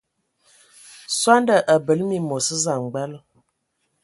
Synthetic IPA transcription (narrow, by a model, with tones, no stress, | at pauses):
swa˦ndə˨ʔə˨bə˨lmi˨mo˨sə˦za˨ŋ˨ɡ͡bɛ˦l